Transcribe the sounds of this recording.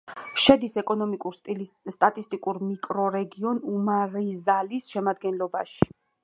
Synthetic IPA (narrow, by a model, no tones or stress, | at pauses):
ʃɛd̪isɛkʼɔnɔmikʼuɾst̪ʼst̪ʼat̪ʼist̪ʼikʼuɾmikʼɾɔɾɛɡiɔnumaɾizalisʃɛmad̪̚ɡɛnlɔbaʃi̥